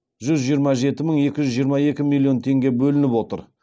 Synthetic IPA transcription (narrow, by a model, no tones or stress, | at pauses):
ʒʏzʒijəɾmɑʒe̞t̪ɪməɴje̞kʲɪʒʏzʒijəɾmɑje̞kʲɪmilʲˠːjo̞nt̪ʰe̞ŋɡʲe̞bɵlɪnɪpwo̞t̪ə̰ɾ